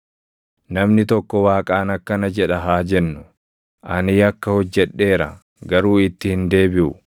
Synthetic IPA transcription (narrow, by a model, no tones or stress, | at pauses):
nɐmnɪt̪ɔkːɔwaːkʼaːnɐkːɐnɐd͡ʒɛᶑɐɦaːd͡ʒɛnːʊ | ʔɐniːɐkːɐhɔd͡ʒːɛᶑːe̞ːɾɐ | ɡɐɾuːɪt̪ːɪhɪnd̪e̞ːbɪʔʊ